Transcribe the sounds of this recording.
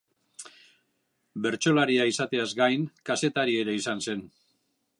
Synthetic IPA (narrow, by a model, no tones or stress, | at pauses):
be̞ɾt͡ʃo̞laɾiaisat̪e̞azɡajŋkase̞t̪aɾie̞ɾe̞isanse̞n